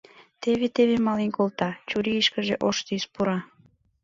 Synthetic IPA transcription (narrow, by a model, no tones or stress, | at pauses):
t̪eβet̪eβemɑlinkolt̪ɑt͡ɕuɾiiʃkə̆ʒeʔoʃt̪ispuɾɑ